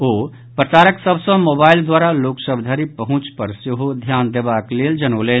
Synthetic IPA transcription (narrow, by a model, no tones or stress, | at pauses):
oː | pɾət͡ʃaːɾəksəbsə̃moːbaːɪld̪waːɾaloːksəbd̪ʱaːɾipəɦʊ̃t͡ʃpəɾsɪɦod̪ʱjaːnd̪eːbaːkleːld͡ʒəñoːleː